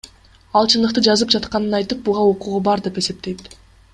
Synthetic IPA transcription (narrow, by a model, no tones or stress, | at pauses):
ɑlˠt͡ʃʰɯnd̪ɯq̚t̪ɯd͡ʒɑzɯp̚d͡ʒɑt̪qɑnɯnɑjt̪ɯp̚buʁɑoquʁubɑɾd̪e̞pe̞se̞p̚t̪e̞jt̪